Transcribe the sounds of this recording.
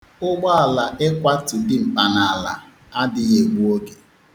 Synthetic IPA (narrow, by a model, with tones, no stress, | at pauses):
ʊ˦ɡ͡ba˦a˨la˨ʔɪ˦kʷa˦tɪ˨dɪ˦m̩˨pa˨na˨a˨la̰˨ | a˦dɪ˦ɣe˨ɡʷu˦o˦ɡe˨